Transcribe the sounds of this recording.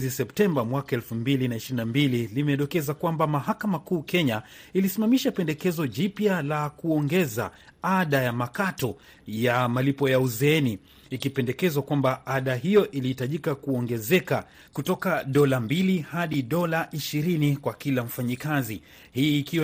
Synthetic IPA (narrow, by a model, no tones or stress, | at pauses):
zisɛptɛmbamwakaɛlfumbilinaiʃiɾinambililimɛɗɔkɛzakwambamahakamakuːkɛɲailisimamiʃapɛndɛkɛzɔʄipjalakuɔŋɡɛza̰aɗajamakatɔ | jamalipɔjauzɛɛniː | kipɛndɛkɛzwakwambaaɗaɦijɔʔilihitaʄikakuɔŋɡɛzɛka | kutɔkaɗɔlambilihaɗiɗɔlaʔiʃiɾinikwakilam̩faɲikazi | hiːkiw